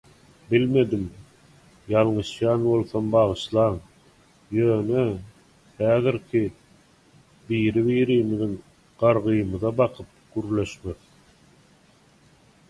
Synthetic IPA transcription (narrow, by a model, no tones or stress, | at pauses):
bilme̞d̪im | jɑlˠɴɯʃjɑːnbo̞lˠθombɑʁɯʃlˠɑːŋ | jøːnø | hæːðiɾkʰi | biːɾiβiːɾiːmiðiŋ | ɢ̥ɑɾʁɯjɯmɯðɑbɑqʰɯp̚ɡ̥yɾle̞ʃmeθ